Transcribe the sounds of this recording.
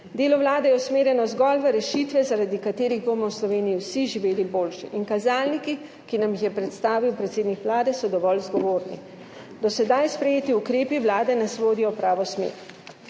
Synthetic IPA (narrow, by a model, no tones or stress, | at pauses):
d̪eːlɔʋlaːd̪ɛjɛusmeːɾjɛnɔzɡɔlʋɛɾɛʃiːt̪ʋɛzaɾad̪ikat̪eːɾiɣbomɔwslɔʋeːnijiwsiʒiʋeːliboːlʃḭʔinkazaːlniki | kinamjixjɛpɾɛt̪st̪aːʋiwpɾɛt̪seːd̪nikʋlaːd̪ɛsɔd̪ɔʋɔlzɡɔʋoːɾnḭ | d̪ɔsɛd̪ajspɾɛjeːt̪iukɾeːpiʋwlaːd̪ɛnasʋoːd̪ijɔpɾaːʋɔsmḛːɾ